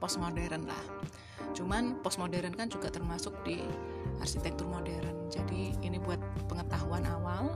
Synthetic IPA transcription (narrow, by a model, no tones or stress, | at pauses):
pɔst̪̚modɛɾənla̰h | t͡ʃumanpɔst̪̚modɛɾənkand͡ʒuɡaʔt̪ərmasʊk̚di | ʔa̰rkit̪ɛk̚t̪ʊrmodɛɾənd͡ʒadiinibuat̪̚pəŋət̪aɦuanawal